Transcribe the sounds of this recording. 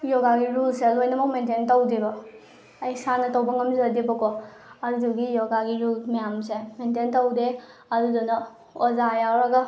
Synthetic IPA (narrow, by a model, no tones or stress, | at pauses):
jɔɡaɡiɾulselojnɐmɐk̚mententɐwdibɐ | ɐjsanɐtɐwbɐŋɐmzɐdebɐkɔ | ɐduduɡijɔɡaɡiɾulmɐjamsemententɐwde | ɐdudunɐ | ɔzajawɾaɡa